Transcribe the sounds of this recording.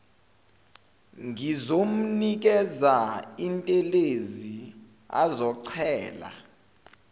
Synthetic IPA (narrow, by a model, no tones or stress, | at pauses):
ŋɡizom̩nik̬ɛzaintʼɛlezi | a̰zɔǀʰɛːla̰